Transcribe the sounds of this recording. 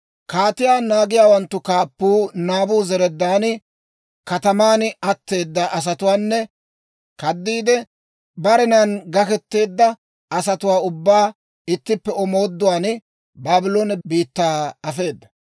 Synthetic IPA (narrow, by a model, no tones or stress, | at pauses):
kaːt̪ɪjaːnaːɡɪjaːwɐnt̪ːʊkaːpːuːnaːbuːzɛɾɛd̪ːaːnɪ | kɐt̪ɐmaːnʔɐt̪ːe̞ːd̪ːɐʔɐs̬ɐt̪ʊwaːnːɛ | kɐd̪ːiːd̪ɛ | bɐɾɛnanɡɐkɛt̪ːe̞ːd̪ːɐ | ɐsɐt̪ʊwaːʊbːaː | ɪt̪ːɪpːɛɔmoːd̪ːʊwaːn | baːbɪlonbiːt̪ːaːɐfe̞ːd̪ːɐ